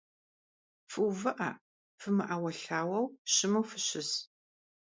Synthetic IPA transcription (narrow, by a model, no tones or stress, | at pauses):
fɨwvɨʔɐ̰ | fɨmɨʔawɐɬaːwɐwɕɪmɐwfɨɕɪz